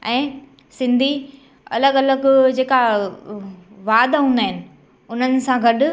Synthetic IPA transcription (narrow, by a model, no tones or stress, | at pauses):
ɛ̃ː | sɪ̃nd̪ʱi | ɐ̰ləɡɐləɡd͡ʑeːka | ʋaːd̪ɦũːnd̪aːɦɪnɪ̆ | ʊn̤ənɪ̆sãɡʱɐɗʊ